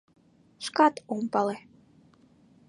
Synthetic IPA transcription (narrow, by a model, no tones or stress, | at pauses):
ʃkɑt̪umpɑle